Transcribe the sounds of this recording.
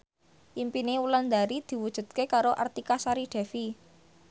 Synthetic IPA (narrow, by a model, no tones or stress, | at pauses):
ʔimpineuland̪aɾid̪̥i̤wud̥ʒ̥ṳt̪̚kekaɾoʔa̰rt̪ikasaɾiɖ̪̥ɛ̤fi